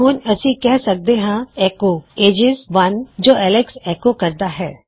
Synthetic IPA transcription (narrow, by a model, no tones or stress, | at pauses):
ɦoːɲɐsikɛɦsɐk̚d̪eɦãɛːkoːeːd͡ʒɪzʋɐnd͡ʒoːʔɛːlɪksɛːkokɐɾt̪aɦɛː